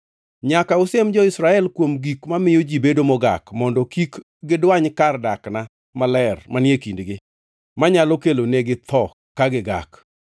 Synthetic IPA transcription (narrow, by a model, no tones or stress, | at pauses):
ɲakaʊsemd͡ʒɔɪsɾaɛlkwomɡikmamɪjod͡ʒibedomɔɡa̰kmɔndɔkik | ɡɪdwaɲkardakna | malɛrmanjekindɡɪ | maɲalokeloneɡɪt̪ʰɔ | kaɡɪɡa̰k